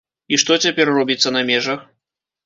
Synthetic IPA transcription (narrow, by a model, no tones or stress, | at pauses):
iʂt̪ɔt͡sʲapʲɛrrɔbʲit̪sːɐnɐmʲɛʐɐx